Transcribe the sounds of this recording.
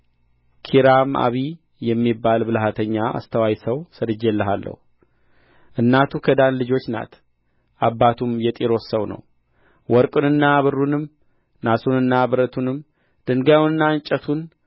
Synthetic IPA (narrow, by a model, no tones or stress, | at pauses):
kʰiɾamʔa̰βi | jɛmːibːalbɨlɦat̪ʰəɲːaa̰st̪ʰəwajsəwsəd̪ɨd͡ʒelːəɦalːə̰hu | ʔɨnːat̪ʰukʰəd̪anlɨd͡ʒo̞t͡ʃːna̰t̪ | ʔabːat̪ʰumjɛt̪ʼiɾo̞ssəwnə̰w | wɔɾkʼunɨnːaβɨrːunɨm | nasunɨnːabɨɾət̪ʰunɨm | d̪̥ɨŋɡawnɨnːaɨɲt͡ʃʼət̪ʰun